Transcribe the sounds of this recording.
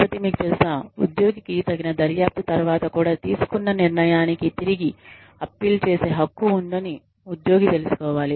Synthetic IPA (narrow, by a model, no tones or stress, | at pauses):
pɐt̪imiːkut̪eːsnɐːṵd̪jo̞ːɡikit̪ɐɡinɐd̪ɐɾjaːp̚t̪ɐt̪ɐɾʋaːt̪ɐkuːɽaːt̪iːsu̥kunːɐniɾɳɐjaːnikit̪iɾiɡi | ɐpːiːlt͡ʃe̞ːse̞ːɦɐkːuund̪ɐni | ud̪jo̞ːɡit̪e̞lusu̥kɔːʋaːli